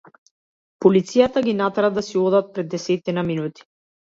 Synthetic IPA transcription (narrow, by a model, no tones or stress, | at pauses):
pɔlit̪sijat̪aɡʲinat̪ɾad̪asiɔd̪at̪̚pɾɛd̪ːɛsɛt̪inaminut̪i̥